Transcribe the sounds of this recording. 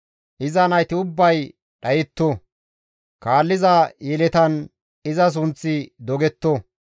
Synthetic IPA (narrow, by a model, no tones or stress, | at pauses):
ʔɪzɐnɐjt̪ɪʊbːɐj | ɗɐjɛt̪ːo | kaːlːɪzɐjɛlɛt̪ɐn | ɪzɐs̬ʊnt͡sːɪd̪ɔɡɛt̪ːo